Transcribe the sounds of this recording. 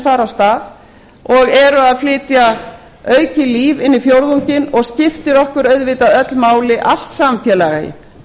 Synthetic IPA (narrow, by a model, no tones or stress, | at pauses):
faːɾast̪aːð | ɔɣɛɾʏaðflɪːt̪ja | œːɥcɪliːvɪnːɪfjowɾðuɲcɪnɔɣscɪft̪ɪɾɔhkʏɾœɥðvɪːt̪aðœt̪lmaːwlɪʔal̥t̪samfjɛlaɣaɪ̰